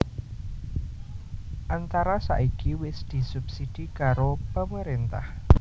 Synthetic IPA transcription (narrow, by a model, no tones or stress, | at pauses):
ʔant̪aɾasa̰ʔikiwɪsd̪̥i̤sub̥sid̪̥i̤kaɾopəməɾint̪a̰h